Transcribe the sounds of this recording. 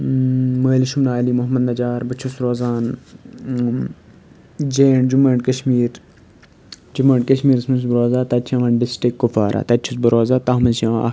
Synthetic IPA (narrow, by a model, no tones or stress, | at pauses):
meːliʃumnaːlimʊɦmɐnd̪ɐd͡ʒaːɾbɐt͡ʃʰusɾoːzaːn | d͡ʒeːɳd͡ʒumɐːɳʈkɐʃmiːɾ | d͡ʒumɐːɳʈkɐʃmiːɾsmɐns̬bɾoːzaːt̪ɐt͡ʃʰɐ̃ʋɐnɖɪsʈɾikːufaːɾʔa̰ːt̪ɐtt͡ʃʰusbuɾoːzaːt̪aːmɐnʃɐ̃a̰